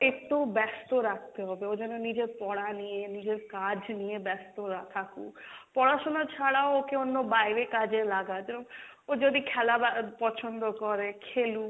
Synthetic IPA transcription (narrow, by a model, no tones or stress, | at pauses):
et̪obɛst̪oɾak̚ʰt̪eɦɔbeod͡ʒɔnonid͡ʒeɾpɔɽanienid͡ʒeɾkad͡ʒnijebɛst̪oat̪ʰakṵpɔɽaʃonat͡ʃʰaɽaookeonːobajɾekad͡ʒelaɡaebɔŋ | od͡ʒod̪ikʰɛlabapɔt͡ʃʰɔnd̪okɔɾekʰelu